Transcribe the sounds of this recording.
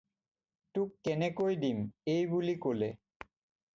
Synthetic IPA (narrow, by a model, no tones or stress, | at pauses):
tukːɛnekojd̪imejbulikole